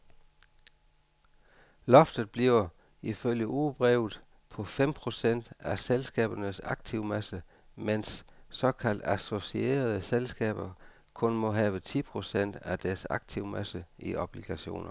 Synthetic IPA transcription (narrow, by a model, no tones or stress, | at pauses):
lɒ̽fd̥ð̩ˠb̥liʊɐ | iføljəʔuːb̥ʁɛːʊð̩ˠ | pʰɒ̽fem̰pʰʁo̝sen̰d̥æselsɡ̥ɛ̰ːb̥ɐnəsɑ̈ɡ̥̚t͡sʰiʊmæsə | mensːɒ̽kʰæl̰d̥æso̝sie̝̰ːɐð̞ˠəselsɡ̥ɛ̰ːb̥ɐ | kʰɔ̽nmɔ̽ɦɛːʋət͡sʰḭːpʰʁo̝sen̰d̥æd̥æɐsɑ̈ɡ̥̚t͡sʰiʊmæsəiʔɒb̥liɡ̥æɕo̝̰ːnʔɐ